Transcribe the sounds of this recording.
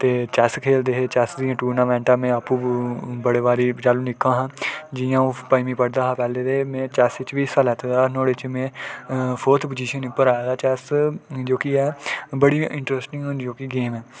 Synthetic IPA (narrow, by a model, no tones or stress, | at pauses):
t̪eːt͡ʃɛːskʰeːld̪eːɦeːt͡ʃɛːsd̪iːãːʈuːɾnãːʋɛ̃ːɳʈãːmɛ̃ːaːpũːbəɽeːʋaːɾiːt͡ʃaːlũːnɪkʰːãːɦãːd͡ʒɪjãːũːpəimĩːpəɽd̪aːɦãːpɛːleːd̪eːmɛ̃ːt͡ʃɛːsɪt͡ʃʋiːsalɛːt̪ʰed̪aːnɔːɽet͡ʃmẽːpʰoːɾt̪ʰpəd͡ʒiːʃənpːəɾaːjaːd̪aːt͡ʃɛːsd͡ʒoːkɪɛːbəɽiːɪ̃ɳʈɾəsʈɪ̃ŋɦʊnd͡ʒoːkɪɡeːmɛː